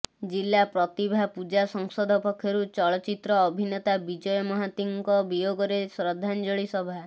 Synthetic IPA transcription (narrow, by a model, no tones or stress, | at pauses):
d͡ʒilːapɾɔt̪ibʱapud͡ʒasɔŋsɔd̪ʱɔpɔkʰjɔɾut͡ʃɔɭɔt͡ʃit̪ɾɔːbʱinɔt̪abid͡ʒɔjɔmɔɦat̪iŋkɔbijoɡɔɾesɾɔd̪ʱːand͡ʒɔɭisɔbʱa